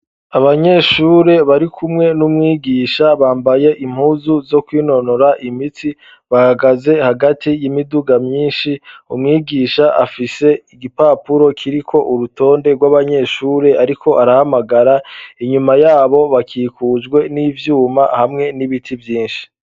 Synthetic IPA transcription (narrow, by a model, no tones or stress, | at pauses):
aβaɲe̞ʃuːɾe̞βaɾikʰumŋe̞numŋiːɡiːʃaβaːmbaje̞ʔim̥huːzuzo̞kwiːno̞noɾaʔimiti | βahaɡaze̞haɡatʰijimiduɡamɲiːnʃiumŋiːɡiːʃaʔa̰fise̞iɡipaːpuɾo̞kʰiɾikʰo̞ʔuɾuto̞ːndeɡwaβaɲe̞ʃuːɾe̞ʔaɾikʰo̞ʔaɾahamaɡaɾaiɲumajaːβo̞βakʰiːkʰuːd͡ʒɡwe̞niːvjuːma̰hamŋe̞niβitʰivjiːnʃi̥